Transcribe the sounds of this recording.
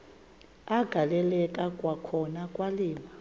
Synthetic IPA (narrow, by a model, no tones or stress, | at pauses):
aɡ̥ʱalɛlɛkʼakʼwakʰɔnakʼwaliːma